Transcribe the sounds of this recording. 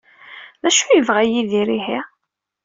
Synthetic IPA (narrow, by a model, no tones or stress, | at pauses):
ðæʃujəvʁæjiðiɾiɦi